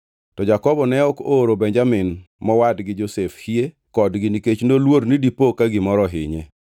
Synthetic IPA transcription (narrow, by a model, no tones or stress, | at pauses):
tɔd͡ʒakɔbɔnɛɔkoɾobɛɲd͡ʒamɪn | mɔwadɡɪd͡ʒosefhie | kɔdɡɪniket͡ʃnolwoɾnidipokaɡɪmɔɾɔɦɪ̰ɲḛ